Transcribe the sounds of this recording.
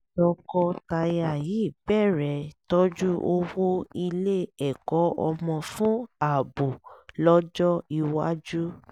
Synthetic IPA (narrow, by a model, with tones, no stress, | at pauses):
tɔ˧kɔ˧ta˧ja˧˨ji˨˦˨bɛ˦˨ɾɛ˨to˦d͡ʒu˦ʔo˧wo˦i˧le˦ɛ˨kɔ˨˦ɔ˧mɔ̃˧fũ˦a˨bo˨lɔ˦d͡ʒɔ˦i˧wa˦d͡ʒu˦